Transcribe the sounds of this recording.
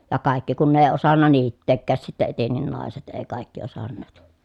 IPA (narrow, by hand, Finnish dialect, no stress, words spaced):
jɑ kɑˑikːi kun ne eˑi̯ osɑnːɑ niːtːeːkːæːs sitːe etenːin nɑˑeset eː kɑˑikːi osɑnːeːt